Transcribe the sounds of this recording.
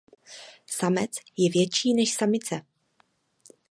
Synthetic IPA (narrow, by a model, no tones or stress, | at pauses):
samɛt͡sjɛvjɛt͡ʃiːnɛʃsamɪt͡sɛ